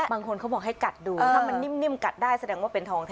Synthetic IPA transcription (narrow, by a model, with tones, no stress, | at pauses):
baː˧ŋkʰo˧nkʰa˦˥wbɔː˨˩k̚ha˥˩jka˨˩t̪̚duː˧t̪ːa˥˩ma˧nːi˥˩˨mni˥˩əmka˨˩t̪̚daː˥˩jsa˧dɛː˧ŋwaː˥˩pe˧nt̪ʰɔː˧ŋt̪ʰ